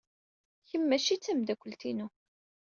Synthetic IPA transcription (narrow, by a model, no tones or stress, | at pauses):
çəmːæʃit͡sːæmd̪ækʷːəlt̪inu